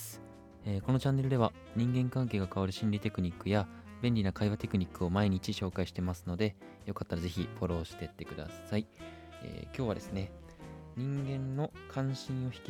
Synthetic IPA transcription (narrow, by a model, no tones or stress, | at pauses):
eːko̞no̞t͡ɕãnːe̞ɾɯ̟d̪e̞βa | ɲ̟ĩŋɡẽ̞ŋkãŋk̬e̞ːɡakaβaɾɯ̟ɕĩnɾʲit̪e̞kɯ̟ɲ̟ikːɯja | bẽ̞nʲɾʲinakaiβat̪e̞kɯ̟ɲ̟ikːɯ̟o̞maiɲ̟it͡ɕiɕo̞ːkaiɕi̥t̪e̞masɨno̞d̪e̞ | jo̞kat̪ːaɾaze̞çʲiɸo̞ɾo̞ːɕi̥t̪et̪ːe̞kɯ̟d̪a̰saiḛːkʲo̞ːβ̞ad̪e̞sɨne̞ɲ̟ĩŋɡẽ̞nːo̞kʰãɰ̃ɕĩɰ̃o̞çi̥kʲ